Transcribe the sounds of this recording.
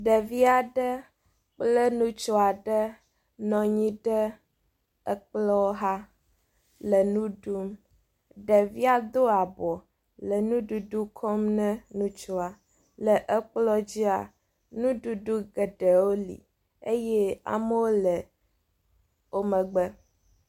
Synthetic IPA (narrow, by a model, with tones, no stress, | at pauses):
ɖə˨vi˦a˨ɖə˦ | k͡plə˦nũ˦t͡ʃo˦a˨ɖə˦ | nɔ̃˨ɲĩ˦ɖə˦ | ə˦k͡plɔ˦ɦa˦ | lə˨nũ˦ɖu˦m | ɖə˨vi˦a˨d̪o˦a˨bɔ˨ | lə˨nũ˦ɖu˨ɖu˦kʰɔ˦mnɛ̃˦nũ˦t͡ʃo˦a˨ | lə˨ʔə˦k͡plɔ˦d͡ʑi˦a̰˨ | nũ˦ɖu˨ɖu˦ɡə˨ɖə˨wo˦lḭ˨ | e˦jɛ˦a̰˨mə˦wo˦lə˨ | wo˦mə˨ɡ͡bə˦